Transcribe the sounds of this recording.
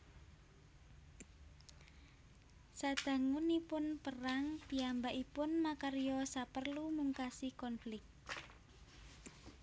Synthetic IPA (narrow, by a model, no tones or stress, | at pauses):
sad̪̥ä̤ŋunipʊnpəraŋpiambaʔipʊnmakaɾijɔsapərlumuŋkasikɔnflɪk̚t̪̚